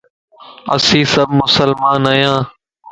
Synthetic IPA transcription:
ə̰sĩːsəbmʊsəlmaːnaːjãː

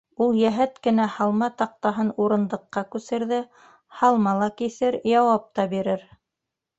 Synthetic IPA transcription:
ulˠjæɦæt̪kɘ̆næhɑlˠmɑt̪ɑq̚t̪ɑɦɤnuɾɤ̆nd̪ɤ̆qːɑkʉsɘ̆ɾðɘ | hɑlˠmɑlˠɑkiθɘɾjɑwɑp̚t̪ɑbiɾɘɾ

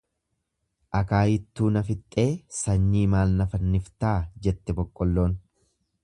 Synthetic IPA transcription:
ʔɐkaːjɪt̪ːuːnɐfɪt̪ʼːe̞ːsɐɲːiːmaːlnɐfɐnːɪft̪aːd͡ʒɛt̪ːɛbɔkʼːɔlːo̞ːn

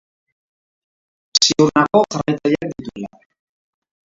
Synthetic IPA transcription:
siuɾnako̞ʝarajt̪aðiak̚d̪it̪uela̰

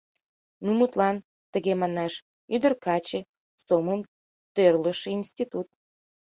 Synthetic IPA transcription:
numut̪lɑn | t̪əɣemɑnɑʃ | yd̪ə̆rkɑt͡ɕe | soməm | t̪ørləʃinʲst̪ʲit̪ut̪̚

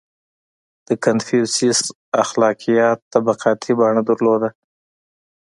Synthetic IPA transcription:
d̪̥əkanfuɾsis | axlɑqijɑt̪ːabaqɑt̪ʰibɑɳad̪aɾlod̪a

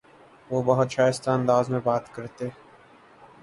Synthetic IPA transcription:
ʋoːbɐɦʊt̪ʃaːjɪst̪aɐ̃nd̪aːzmẽbaːt̪kɐɾt̪e

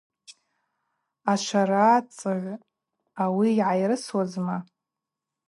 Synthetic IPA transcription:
aʃʷʰaɾaːt͡sʼɨʕ | awiːʕajrɨswazma

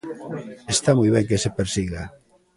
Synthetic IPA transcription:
est̪amɔjβ̞ɛŋkesepeɾsiɣa

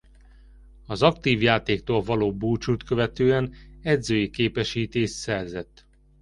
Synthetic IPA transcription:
ɒzɒkt̪iːvjaːt̪eːk̚t̪oːlvɒloːbuːt͡ʃut̪køvɛt̪øːɛnɛd̪zøːjikeːpɛʃiːt̪eːʃsɛrzɛt̪ː

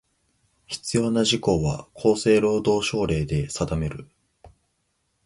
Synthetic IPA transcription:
çi̥t͡sɨjo̞ːnaʑiko̞βakʰo̞ːse̞ːɾo̞ːd̪o̞ːɕo̞ːɾe̞ːd̪e̞sad̪ame̞ɾɯ̟

